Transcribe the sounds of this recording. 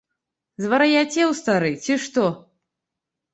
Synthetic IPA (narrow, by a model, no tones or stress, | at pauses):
zvɐɾɐjat͡sʲɛwst̪aɾɨt͡sʲiʂt̪ɔ